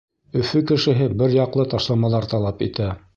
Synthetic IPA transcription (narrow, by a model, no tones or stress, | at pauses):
ɵ̆fɵkɘ̆ʃɘ̆ɦɘbɘɾjɑqlˠɤt̪ɑʃlˠɑmɑlˠɑɾt̪ɑlˠɑpḭt̪æ